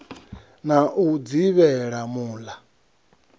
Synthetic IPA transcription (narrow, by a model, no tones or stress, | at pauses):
naʔud͡ziβɛɺamuːla